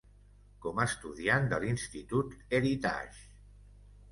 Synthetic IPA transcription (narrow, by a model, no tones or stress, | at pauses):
kɔməːst̪uðiand̪əlinst̪it̪ut̪eɾit̪a̰ʒ